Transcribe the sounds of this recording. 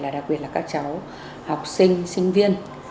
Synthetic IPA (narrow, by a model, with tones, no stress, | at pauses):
laː˨˩ɗk̚ɓi˨˩ət̚laː˨˩kaː˦˥k̚t͡ɕa˨˦w | ha˨˩wk͡p̚sï˧ŋ̟sï˧ŋ̟vi˧ən